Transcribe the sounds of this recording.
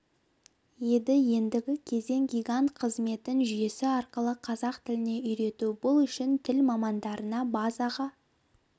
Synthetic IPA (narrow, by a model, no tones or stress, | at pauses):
je̞d̪ɪje̞nd̪ɪɡʲɪkʲʰe̞ze̞ŋɡʲijɡant̪qʰəzme̞t̪ɪnʒʏje̞sɪɑɾqəlˠəqʰɑzɑqt̪ʰɪlɪne̞ʏjɾe̞t̪ubʊlˠʏʃɪnt̪ʰɪlmɑmɑnd̪ɑɾənɑbɑzɑʁɑ